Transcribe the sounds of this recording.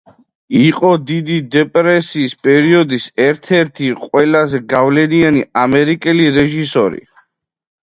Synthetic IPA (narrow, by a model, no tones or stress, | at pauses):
iqʼɔd̪id̪id̪ɛpʼɾɛsiːspʼɛɾiɔd̪isɛɾt̪ʰɛɾt̪ʰiqʼwɛlazɛɡavlɛnianiamɛɾikʼɛliɾɛʒisɔɾḭ